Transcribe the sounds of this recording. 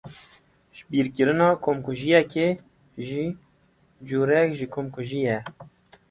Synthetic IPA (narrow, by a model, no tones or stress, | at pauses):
ʒbiːɾkɨɾɨnɑːkʰomkuʒijɛke | ʒiː | d͡ʒuːɾɛkʒikʰomkʰuʒijɛ